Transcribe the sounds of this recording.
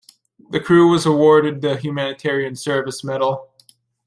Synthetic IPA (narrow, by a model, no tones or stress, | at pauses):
ðɨkʰɹ̥ʉwʌzəwɔɹɾɨd̪̚ðɨɦjʉmænɨtʰɛɹiɨ̃nsɜ˞vɨsmɛɾl̩ˠ